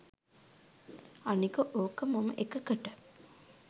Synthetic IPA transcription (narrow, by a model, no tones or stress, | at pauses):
anikəʔoːkəmamə̰ʔekəkəʈə